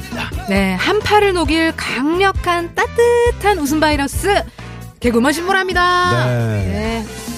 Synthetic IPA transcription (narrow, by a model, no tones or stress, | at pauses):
ne̞hampʰaɾɯɭnoɡiɭkaŋɲʌkʰant͈at͈ɯtʰanus̬ʰɯnbaiɾʌs͈ɯ | ke̞ɡɯmʌɕʰinmoɾɦamɲida | ne̞